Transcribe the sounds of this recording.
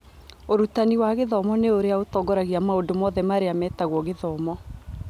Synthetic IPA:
oɾutaniwaɣeðɔmɔneoɾeaotɔɡɔɾaɣiamaodomɔðɛmaɾeamɛːtaɣwɔɣeðɔmɔ

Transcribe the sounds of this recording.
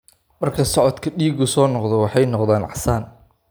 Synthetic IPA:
mɐrkʰɐsɔʕɔd̪kʰɐɖiːɡʊsɔːnɔqd̪ɛwɑħɑjnɔqðaːnʕɑ̰saːn

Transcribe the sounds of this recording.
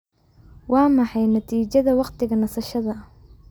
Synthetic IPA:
wɑːmɑħɑjnɐt̪ʰiːt͡ʃɐðɐwɑqt̪ʰɪɣɐnɐsɐʃɐðɐ

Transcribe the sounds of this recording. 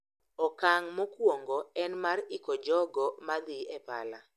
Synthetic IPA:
ɔkaŋmokwoŋɡɔɛnmarɪkɔd͡ʒɔɡɔmad̪ɪɛpa̰la

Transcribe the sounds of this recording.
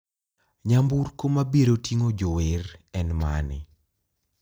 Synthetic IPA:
ɲamburkomabiɾotiŋod͡ʒowerɛnma̰nɪ̰

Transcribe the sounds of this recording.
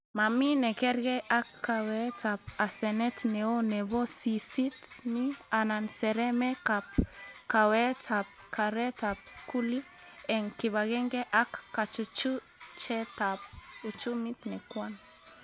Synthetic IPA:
maminekeɾɡeʔakːawetapasenet̪neoneβosisit̪niananseɾemekapkawetap̚kʰaɾetapskuli | eŋkiβaɡeŋɡeʔakːat͡ʃut͡ʃu | t͡ʃet̪ap̚ut͡ʃumit̪nekwan

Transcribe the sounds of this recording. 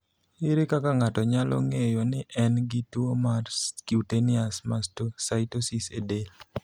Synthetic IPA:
ɪɾɪkakaŋatɔɲalʔɔ̰ŋejonɪʔɛnɡɪtwomarskiutenɪasmastosajtosisedel

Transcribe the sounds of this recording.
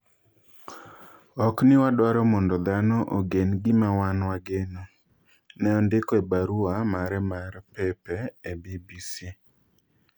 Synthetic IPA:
ɔknɪwadwaɾɔmɔndɔd̪anɔʔoɡenɡɪmawanwaɡeno | nɛɔndɪkɔebaɾuamaɾɛmaɾpɛpɛːbibisi

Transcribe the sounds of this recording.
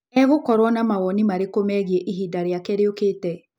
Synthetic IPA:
ɛɣokɔɾwɔnamaɣɔnimaɾekomɛɣiɛʔiɦiːdaɾeakɛɾeokeːtɛ

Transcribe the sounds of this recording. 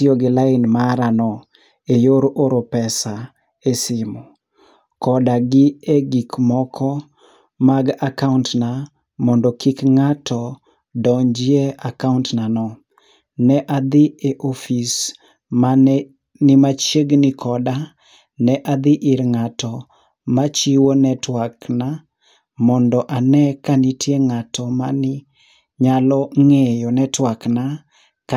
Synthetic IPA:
ɪoɡɪlaɪnmaɾanɔ | ejoɾʔoɾopɛsa | esɪmɔ | kɔdaɡɪeɡikmɔkʰɔ | maɡakauntna | mɔndɔkikŋatʰɔ | dɔɲd͡ʒɪeakauntnanɔ | nɛʔad̪ɪeʔofis | ma | nɪmat͡ʃeɡnɪkʰɔda | nɛʔad̪ɪʔiɾŋatɔ | mat͡ʃiwonɛtwakna | mɔndɔʔanɛkanɪtʰjeŋatɔmanɪ | ɲalɔŋejɔnɛtwakna | k

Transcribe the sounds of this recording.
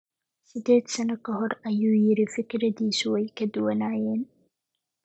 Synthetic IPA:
sɪd̪eːt̪sɐnɐkɐɦɔɾɐjuːjɪɾɪfɪkɾɐd̪iːsuwɐjkɐd̪ʊwɐnaːjeːn

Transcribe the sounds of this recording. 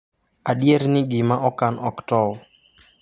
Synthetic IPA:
adjeɾnɪɡɪmaʔɔkanɔktɔ

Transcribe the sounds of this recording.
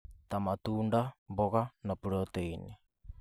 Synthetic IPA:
tamat̪uːndaboɣanapuɾoteine

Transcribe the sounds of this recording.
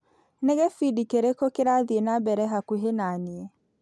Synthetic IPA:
nɛɣɛfidikeɾekokeɾaðienabɛɾɛɦakuɦenaniɛ

